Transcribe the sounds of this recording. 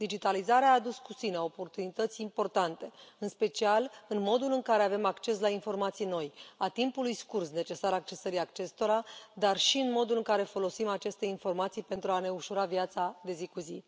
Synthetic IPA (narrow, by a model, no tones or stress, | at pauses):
d̪̥id͡ʒit̪alizaɾeaːd̪uskusineo̞po̞rt̪unit̪ət̪sʲimpo̞rt̪ant̪e̞ɨnspe̞t͡ʃialɨnmo̞d̪ulɨŋkaɾe̞ave̞makt͡ʃe̞s̬lainfo̞rmat̪sijno̞jat̪impulujskursne̞t͡ʃe̞saɾak̚t͡ʃe̞səɾijakt͡ʃe̞st̪o̞ɾad̪arʃiɨnmo̞d̪ulɨŋkaɾe̞fo̞lo̞simat͡ʃe̞st̪e̞info̞rmat̪sijpe̞nt̪ɾuane̞uʃuɾavjat̪sad̪e̞zikuzi